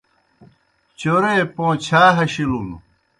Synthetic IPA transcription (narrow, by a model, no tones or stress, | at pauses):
t͡ɕoɾepõːt͡ɕʰaːɦɐɕilul